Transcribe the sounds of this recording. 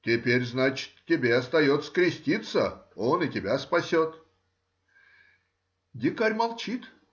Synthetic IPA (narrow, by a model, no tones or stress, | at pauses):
tʲɪpʲeɾʲznat͡ɕɪ̥t̪tʲːɪbʲeɐst̪ɐjo̞t̪sə̥kɾʲɪsʲtʲit̪səo̞nɨtʲɪbʲaspɐsʲot̪ | dʲɪkaɾʲmɐlˠt͡ɕit̪